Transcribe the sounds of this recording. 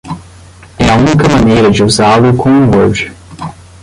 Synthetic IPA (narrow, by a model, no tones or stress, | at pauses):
ɛɐũnikɐmɐnejɾɐd͡ʒɪuzalʊkʰõw̃ũoɾd͡ʒɪ̥